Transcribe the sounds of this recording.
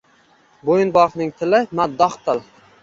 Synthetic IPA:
bojɪnbɒqnɪŋt̪ʰɪlɪmad̪ːɒχt̪ʰɪlˠ

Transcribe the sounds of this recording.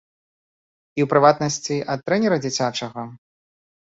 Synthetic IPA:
iwpɾɨvat̪nɐsʲt͡sʲiʔɐt̪ːɾɛnʲɛɾɐd͡zʲit͡sʲat͡ʂɐɣɐ

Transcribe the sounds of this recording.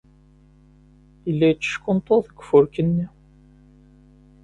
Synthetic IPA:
ilːæjt͡sːə̥ʃkʊnt̪ˤoðəɡfʊɾkənːi

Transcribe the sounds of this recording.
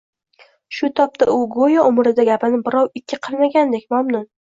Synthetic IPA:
ʃʊt̪ʰɒp̚t̪ʰaʊɡojaʔʊmɾɪd̪aɡʲapʰɪnɪbɪɾɒwɪkʲʰːɪqʰɨlˠmaɡʲand̪ek̚ʲmamnʊn

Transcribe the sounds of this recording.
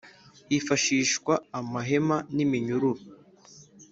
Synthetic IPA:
ifaʃiːʃkwaːmaɦemanimiɲuɾuɾo

